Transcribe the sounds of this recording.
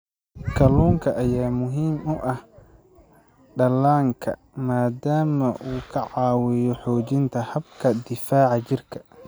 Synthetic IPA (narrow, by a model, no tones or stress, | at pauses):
kʰɐluːŋkʰɐʔɐjaːmʊɦiːmʊʔɐh | ɖɐlaːŋkʰɐ̰ | maːd̪aːmɐʔuːkʰɐʕɑːwɪjɔħɔːt͡ʃɪnt̪ʰɐhɐbkʰɐd̪ɪfaːʕɑt͡ʃɪrkʰɐ̥